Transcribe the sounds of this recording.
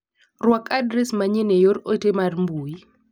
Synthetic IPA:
rwakadɾɛsmaɲenejoɾotemarmbui

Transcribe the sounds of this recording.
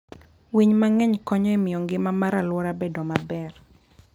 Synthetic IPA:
wiɲmaŋɛɲkɔɲɔimɪjɔŋɡɪmamaɾalwɔɾabedɔmabɛr

